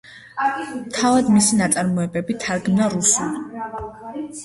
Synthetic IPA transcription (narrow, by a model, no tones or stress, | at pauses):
mt̪ʰavad̪misinat̪sʼaɾmɔɛbɛbit̪ʰaɾɡmnaɾusuli